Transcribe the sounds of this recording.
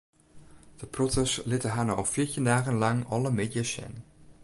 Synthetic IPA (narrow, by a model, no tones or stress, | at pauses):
d̥əprɔtəslɪtəɦanɔlfɪːɹtindaːχənlɑŋɑləmedjasɛ̰n